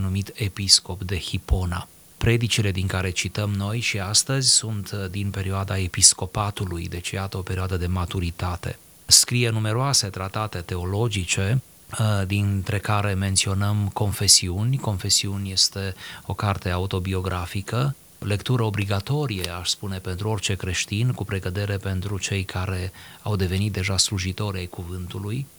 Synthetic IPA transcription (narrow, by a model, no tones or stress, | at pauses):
numit̪episko̞pd̪e̞hipo̞na̰ | pɾe̞d̪it͡ʃile̞d̪iŋkaɾe̞t͡ʃit̪əmno̞jʃiast̪əzʲsunt̪d̪inpe̞ɾioad̪ae̞pisko̞pat̪ulujd̪e̞t͡ʃijat̪əo̞pe̞ɾioad̪əd̪e̞mat̪uɾit̪at̪e̞̰ | skɾije̞nume̞ɾoase̞t̪ɾat̪at̪e̞t̪e̞o̞lo̞d͡ʒit͡ʃe̞ | d̪int̪ɾe̞kaɾe̞me̞nt̪sio̞nəmko̞nfe̞siunʲko̞nfe̞siunʲje̞st̪e̞o̞kart̪e̞aut̪o̞bio̞ɡɾʔafikə | le̞kt̪uɾəo̞bliɡat̪o̞ɾijeaʃspune̞pe̞nt̪ɾuo̞rt͡ʃe̞kɾe̞ʃt̪inkupɾe̞ɡəd̪e̞ɾe̞pe̞nt̪ɾut͡ʃe̞jkʰaɾe̞awd̪e̞ve̞nit̪̚d̪e̞ʒasluʒit̪o̞ɾʲajkuvɨnt̪uluj